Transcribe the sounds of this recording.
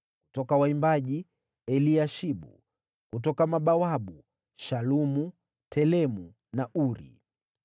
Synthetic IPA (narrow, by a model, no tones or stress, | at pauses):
ku̥tɔkawaimbaʄi | ɛliaʃiɓṵ | kutɔkamaɓawaɓu | ʃalumu | tʰɛlɛmu | naʔuɾḭ